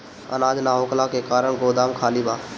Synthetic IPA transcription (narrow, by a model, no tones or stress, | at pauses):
ə̰naːd͡ʒ̪naːɦoːklaːkekaːɾəɳ̃ɡoːd̪aːmkʰaːlibaː